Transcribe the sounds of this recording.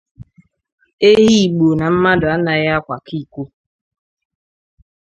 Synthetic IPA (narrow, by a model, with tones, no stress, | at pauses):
e˦ɦi˦i˨ɡ͡bo˨na˨m̩˦ma˦dʊ˨a˦na˨ɣa˦kʷa˨kʰi˦˨kʷu˦